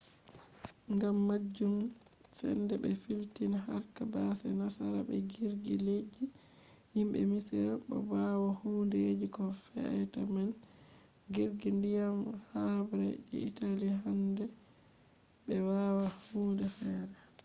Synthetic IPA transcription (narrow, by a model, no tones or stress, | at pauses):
ŋɡamːad͡ʒːum | sɛ̰ndɛbɛfiltinɦaɾkabasɛnasaɾa̰bɛ̰ɡiɾɡiled͡ʒi | himbɛ̰misɛɾɓɔ̰bawahuːndɛd͡ʒikɔfɛ̰ɛtaman | ɡiɾɡindijamhabɾɛɛ̰italiɦandɛ | bɛwawahuːndɛfɛːɾɛ